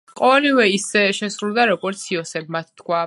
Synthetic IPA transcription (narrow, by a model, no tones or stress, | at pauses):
qʼɔɛlivɛisɛʃɛsɾulˠd̪aɾɔɡɔɾt̪sʰiɔsɛb̚mat̪ʰt̪kʰwa